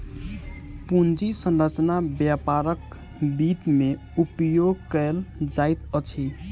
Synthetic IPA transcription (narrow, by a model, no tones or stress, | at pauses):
pund͡ʒisə̃nɾət͡ʃnabjapaɾək | bit̪me | upjoɡ̚kəld͡ʒajt̪ət͡ʃʰi